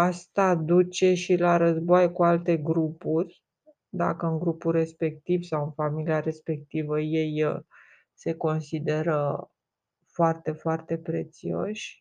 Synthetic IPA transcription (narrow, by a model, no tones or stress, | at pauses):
ast̪ad̪ut͡ʃe̞ʃilaɾəzbojkualt̪e̞ɡɾupurʲ | d̪a̰kəɨŋɡɾupulre̞spe̞k̚t̪ivsawɨnfamiliaɾe̞spe̞k̚t̪ivəje̞j | se̞ko̞nsid̪e̞ɾə | foart̪e̞foart̪e̞pɾe̞̰t̪sio̞̰ʃʲ